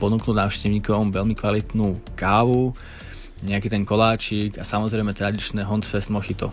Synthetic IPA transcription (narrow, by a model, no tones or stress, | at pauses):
pɔnuːknuːdnaːʊʃcɛʋɲiːkɔʋɔmʋɛlmikʋalit̪nuːkaːʋu | ɲɛakiːt̪ɛŋkɔlaːt͡ʃikasamɔzɾɛɪmɛt̪ɾad̪it͡ʃnɛɦɔnt̪fɛst̪mɔxit̪ɔ̰